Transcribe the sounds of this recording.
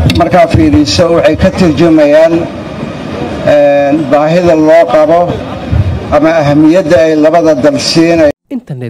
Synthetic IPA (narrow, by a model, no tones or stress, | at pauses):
mɐrkʰaːfiːɾɪsɔwɑħɑjkʰɐt̪ʰɪrt͡ʃɐmɛjaːn | ɛːnbaːɦɪðɐlɔːqɑβɔ | ʔɐmɐːɦɐmɪjɐd̪ɐɛjlɐβɐðɐd̪ɐlsiːnɐ